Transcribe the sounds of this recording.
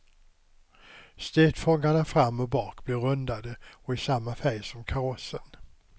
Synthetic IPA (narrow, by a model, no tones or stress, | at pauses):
st̪eːt̪fɔŋːaɳafɾamːɔbɑːkb̥lɪɾɵnd̪ad̪əɔɪsamːafæjsɔmkʰaɾɔsːən